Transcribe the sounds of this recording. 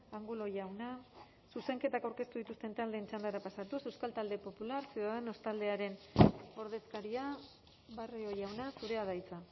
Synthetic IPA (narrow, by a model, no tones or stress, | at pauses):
aŋɡulo̞ʝawna | suse̞ŋke̞t̪akawɾke̞st̪uðit̪ust̪e̞nt̪ald̪e̞ːnt͡ʃand̪aɾapasat̪use̞wskalt̪ald̪e̞po̞pulaɾseðaðeno̞st̪ald̪e̞aɾe̞no̞ɾð̞e̞skaɾia | βaroo̞jawnasuɾe̞aðajt͡sa